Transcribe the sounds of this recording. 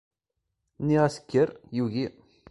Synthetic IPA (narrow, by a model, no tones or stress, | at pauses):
niʁæsə̥kʲːəɾjuʝi